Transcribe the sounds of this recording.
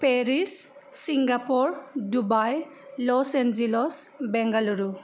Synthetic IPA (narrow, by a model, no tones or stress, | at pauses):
peɾisː | iŋɡapɔɹdubajlɔsend͡ʒilɔsbɛŋɡalɔɾu